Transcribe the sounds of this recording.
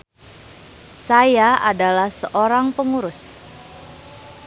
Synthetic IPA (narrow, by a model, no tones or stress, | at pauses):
sajaʔadalahsəʔoɾaŋpəŋuɾʊs